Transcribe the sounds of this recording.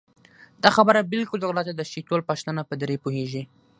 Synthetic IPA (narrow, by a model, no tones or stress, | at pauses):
d̪̥ɑxabəɾabɪlkʊləɣlɑt̪ad̪əʃit̪olpaʃt̪ənapəd̪ɾepoheʒi